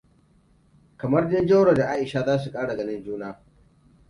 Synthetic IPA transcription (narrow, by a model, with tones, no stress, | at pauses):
kɐ˨mɐ˦rdɪ˦nd͡ʒɐ˦wɽa˨da˨ʔaː˦ʔɪ˨ʃa˦zaː˦s̬u˨kʼaː˦ɽa˨ɡɐ˦nɪ˦nd͡ʒuː˦naː˦